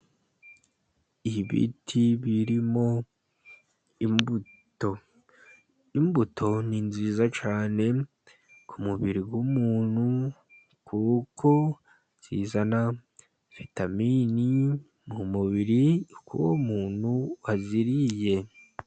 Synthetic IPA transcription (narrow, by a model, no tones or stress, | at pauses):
iβḭtʰiβiɾimo̞ | imbu | to | imbutʰo̞ninziːzat͡ʃaːne̞ | kʰumuβiɾiɡwumuːn̥hu | kʰukʰo̞ | nziːzana | v̥itamini | mumuβiɾikṵwomuːn̥huwaziɾije̞